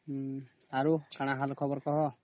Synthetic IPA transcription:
aɾut͡ʃʰaɽ̃aɦalkʰɔbɔɾkɔɦɔ

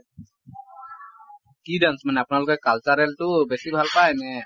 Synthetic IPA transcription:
kidansmanapnalukɔkalt͡ʃaɾɛlt̪ubɛsibʱalpajnɛ

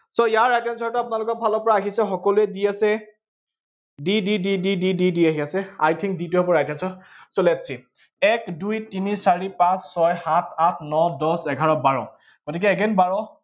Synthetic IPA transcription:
sɔijaɹːajtɔnsɔɹtʊapʊnalʊkɔɹbʱalɔpɔɹaːɦisɛxɔkɔluɛdiasɛ | dididididididiaɦiasɛa̰jtʰiŋditʊɦɛbɔɹajtʰinsɔsɔlɛatsʰi | ɛkdujtinisaɹipãsːɔjhatʰatʰnɔdɔsɛɡʱaɹɔbaɹɔ | ɡ̥otik̬ɛːɡɛnbaɹɔ

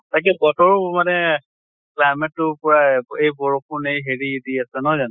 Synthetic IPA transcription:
tak̬ɛbɔtɔɹmanɛ | klajmɛtːʊpɔɹaejbɔɹɔp̚ʊnejɦeɹidiasɛnɔɦɔzan

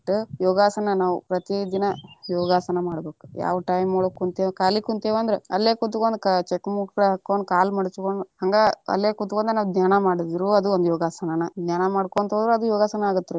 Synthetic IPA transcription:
ʈːujɔːɡaːsɐnɐnaːʋupɾɐt̪id̪inɐjɔːɡaːsɐnɐmaːɽbe̞ːku̥ja̰ːʋɐʈɐjimoɽokːunt̪eʋkaːlikːunt̪eːʋɐnd̪ɐɾeɐlːeːkut̪ːukond̪kɐt͡ʃekːmuːʈɡɐɽeɦɐkːoɳɖkaːlmɐɽt͡ʃkoɳɖuhɐŋɡaːɐ̰lːeːkut̪ːukond̪ɾenaːʋd̪naːnɐmaːɽid̪iɾuɐd̪uond̪ujɔːɡaːsɐnɐnɐd̪naːnɐmaːɽkoɳt̪oːd̪ɾuɐd̪ujɔːɡaːsɐnɐaːɡut̪ːɐɾu

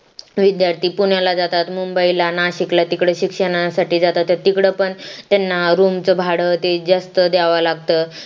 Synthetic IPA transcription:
ʋid̪jaɾt̪iːpuɳjalad͡zat̪at̪mumbəilanaɕiklat̪ikɽəɕikʂəɳ̃asaʈiːd͡zat̪at̪ːət̪ikɽəpəɳt̪janːaɾumt͡səbʱaɽət̪ed͡zast̪əd̪jaʋalaɡt̪ə

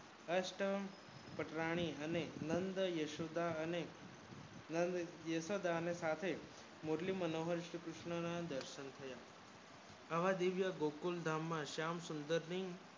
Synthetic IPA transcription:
əʃʈə | pəʈɾaɽ̃iənenənd̪əjəʃod̪ane | nəd̪jəʃod̪aənesat̪ʰe | muɾlimənoɦəɾʃəkɾʊʃɳənad̪əɾʃənt̪ʰəja | əʋad̪iʋjəɡokuld̪ʱamːãʃamsʊnd̪əɾniŋɡ

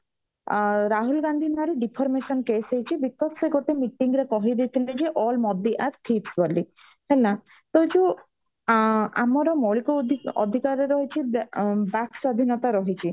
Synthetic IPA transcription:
ɾaɦulɡand̪ʱimaaɾiɖipʰɔɾmesɔnkesejt͡ʃʰibikːɔpseɡoʈemiʈiŋɡɾekɔɦid̪et̪ʰiled͡ʒeʔɔlmɔd̪iʔaɾt̪ʰipsbɔli | hela | t̪ɔd͡ʒu | a̰mɔɾɔmɔɭikɔɔ̰d̪ʱikaɾɔɾɔɦit͡ʃʰibakswad̪ʱinɔt̪aɾɔɦit͡ʃʰi

